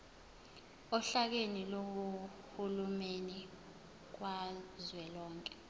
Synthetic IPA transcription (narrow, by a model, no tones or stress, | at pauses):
ɔɬak̬enilok̬u | hulumeni | k̬wazwɛlɔːŋkʼɛ̥